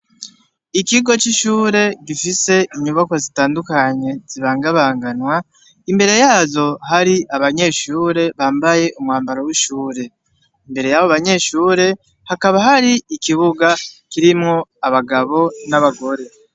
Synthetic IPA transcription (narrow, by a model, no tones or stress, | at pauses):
ikiɡo̞t͡ʃiʃuːɾe̞ɡifise̞ʔiɲuβako̞zitaːndukaɲe̞z̥iβaːŋɡaβaːŋɡanwa | imbe̞ɾe̞jaːzo̞ɦaɾiʔaβaɲe̞ːʃuːɾe̞βaːmbaje̞umŋaːmbaɾowiʃuːɾe̞ | imbe̞ɾe̞jaβoaβaɲe̞ːʃuːɾe̞ | hakaβaɦaɾiikiβuɡakiɾimŋoaβaɡaβo̞naβaɡo̞ɾe̞